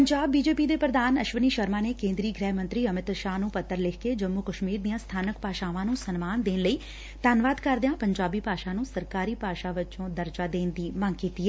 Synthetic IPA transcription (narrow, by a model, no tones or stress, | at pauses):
pəɲd͡ʒaːbːiːd͡ʒeːpiːd̪eːpɾəd̪aːnəʃʋəniːʃəɾmaːneːkẽːnd̪ɾiːɡɾɛːɦmə̃nt̪ɾiːəmɪt̪ʃaːnũːpət̪ːəɾlɪkʰked͡ʒəmːukəʃmiːɾd̪ijãːst̪ʰaːnəkpaːʃaːʋãːnũːsənmaːnd̪eːnləiː | t̪aːnʋaːd̪kəɾd̪ejãːpəɲd͡ʒaːbiːpaːʃãːnũːsəɾkaːɾiːpaːʃaːʋɪt͡ʃõːd̪əɾd͡ʒaːd̪eːnd̪iːməŋkiːt̪iːɦɛː